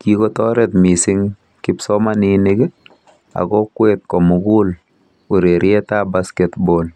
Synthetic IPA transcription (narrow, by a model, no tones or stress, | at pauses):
kikɔtɔɾɛt̪misɪŋ | kɪpsɔmaninɪɡɪ | a̰kɔkwɛt̪̚kɔmuɡul | uɾeɾʔjɛtabaskɛt̪bol